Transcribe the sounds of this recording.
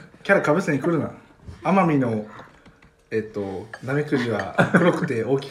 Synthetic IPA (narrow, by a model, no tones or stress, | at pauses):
kʲaɾakabɯ̟seɲikɯɾɯ̟na̰ | amamʲino̞ | eːt̪ːo̞namikɯ̟ʑiβaɯɾokɯ̟̥t̪e̞oːkʲi̥